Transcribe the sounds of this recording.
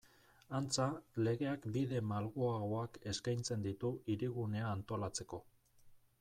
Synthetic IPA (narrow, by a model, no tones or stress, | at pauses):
ant͡sale̞ɣ̞e̞akbiðe̞malɣoaɣoake̞skajnt͡se̞nd̪it̪uiɾiɣune̞aːnt̪o̞lat͡se̞ko̞